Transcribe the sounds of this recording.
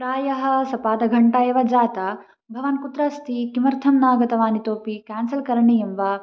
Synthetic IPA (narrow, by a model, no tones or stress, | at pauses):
pɾaːjɐɦɐ̆sɐpaːd̪ɐɡʱɐɳʈajɐʋɐd͡ʒaːt̪ɐ | bʱɐʋɐnkut̪ɾɐst̪ʰikimɐɾt̪ʰɐmnaːɡɐt̪ɐʋaːnit̪oːpikaːnsɐlkɐɾɐɳijɐmʋɐ